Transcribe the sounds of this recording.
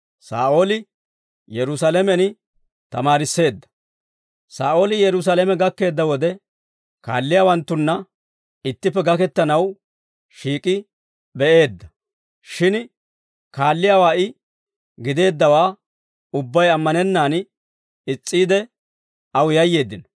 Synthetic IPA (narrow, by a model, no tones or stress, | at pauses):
sa̰ːʔo̞ːlɪ | jɛɾʊsalɛmɛn | t̪ɐmaːɾɪsːe̞ːd̪ːɐ̥ | saːʔo̞ːlɪjɛɾʊs̬alɛmɛɡɐkːe̞ːd̪ːɐwɔd̪ɛ | ka̰ːlːɪjaːwɐnt̪ːʊnːɐ | ɪt̪ːɪpːɛɡɐkɛt̪ːɐnɐw | ʃiːkʼɪ | bɛʔe̞ːd̪ːɐ | ʃɪn | kaːlːɪjaːwaːʔɪ | ɡɪd̪e̞ːd̪ːɐwaː | ʊbːɐjɐmːɐnɛnːaːn | ɪt͡sʼːiːd̪ɛ | ɐwjɐjːe̞ːd̪ːɪnɔ